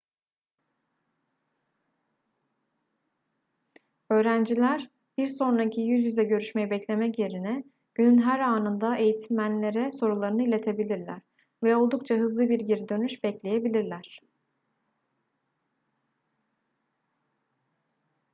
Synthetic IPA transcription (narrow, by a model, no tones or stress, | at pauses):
ø̞ːɾænd͡ʒilʲæɾ̥ | b̥iɾso̞nɾacʰijyzjyzɛɟø̞ɾyʃmejibɛclʲe̞mɛcje̞ɾinɛ | ɟ̥ynynɦæɾaːnɯnd̪aʔe̞jit̪ʰimmænlʲe̞ɾɛso̞ɾulˠaɾɯnɯilʲe̞t̪ʰe̞bilʲiɾlʲæ̰ɾ̥ | vɛo̞lˠd̪uk̚t͡ʃʰaɦɯzlˠɯbiɾɟiɾid̪ø̞nyʃbɛclʲe̞je̞bilʲiɾlʲæɾ̥